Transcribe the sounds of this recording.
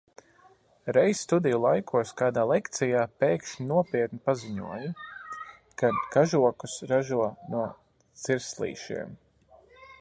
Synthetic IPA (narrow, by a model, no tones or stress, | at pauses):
ɾɛjsst̪ud̪ijulˠajkʰuɔskaːd̪aːlˠɛkt̪sijaːpɛːkʃnuɔpiɛt̪nipaziɲṵɔju | kad̪kaʒuɔkusɾaʒuɔnuɔ | t̪siɾslˠḭːʃḭɛm